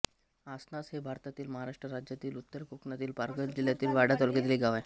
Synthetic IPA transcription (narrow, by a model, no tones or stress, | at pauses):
asnasɦebʱaɾt̪at̪iːlməɦaɾaʂʈɾəɾad͡ʑjat̪iːlut̪ːəɾkukɳat̪iːlpaɾɡət̪d͡ʑiljat̪iːlʋaɽat̪ɔlket̪liːɡʱaʋaj